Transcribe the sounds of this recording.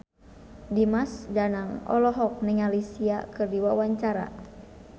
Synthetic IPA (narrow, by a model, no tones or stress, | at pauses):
dimasd͡ʒanaŋɔ̰lɔɦɔk̚nɛŋalisia̰kɨrdiwawaɲt͡ʃaɾa̰